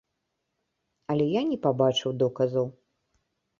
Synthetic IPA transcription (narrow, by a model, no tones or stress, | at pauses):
ɐlʲɛjanʲɛpabat͡ʂɨwd̪ɔkɐzɐw